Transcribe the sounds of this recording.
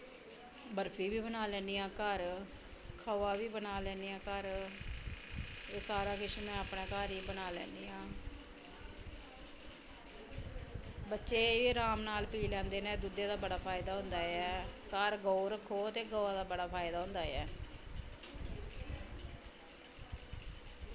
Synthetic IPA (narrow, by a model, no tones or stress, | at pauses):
bəɾpʰiːʋiːbənaːlɛ̃ːniːãːkəɾ | kʰəʋaːʋiːbənaːlɛ̃ːniːãːkəɾ | eːsaːɾaːkɪʃmɛ̃ːapnɛ̃ːkaːɾiːbənaːlɛ̰ːniːãː | bətːʃeːiːɾaːmnaːlpiːlɛ̃ːnd̪eːnɛ̃ːd̪ud̪eːd̪aːbəɽaːpʰaːɪd̪aːɦʊ̃nd̪aːɛːkəɾɡoːɾkʰoːt̪eːɡoːaːd̪aːbəɽaːpʰaːɪd̪aːɦʊ̃nd̪aːjɛː